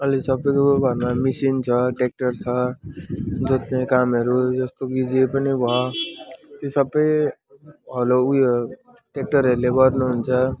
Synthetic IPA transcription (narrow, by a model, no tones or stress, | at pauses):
ʌlesʌbʌjkobʱʌɾmamisint͡sʰʌʈek̚ʈʌrt͡sʰʌ | d͡zot̪nekamʌɾud͡zʌst̪oɡid͡zipʌnibʱʌ | t̪josʌbːʌj | ɦʌloujo | ʈek̚ʈʌɾʌɾulebʌrnuɦunt͡sʰʌ